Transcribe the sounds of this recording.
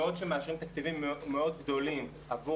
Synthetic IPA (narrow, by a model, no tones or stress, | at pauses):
od̪ʃemeaʃʁimt̪ak̚t͡sivimːmeo̞d̪ɡd̪o̞lim | avu